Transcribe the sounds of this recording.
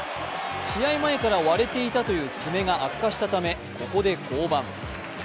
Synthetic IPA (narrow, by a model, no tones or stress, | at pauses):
ɕijaimae̞kaɾaβaɾe̞t̪e̞it̪at̪o̞jɯ̟ːt͡sɨme̞ɡaʔakːaɕi̥t̪at̪ame̞ | ko̞ko̞d̪e̞kʰo̞ːbãŋ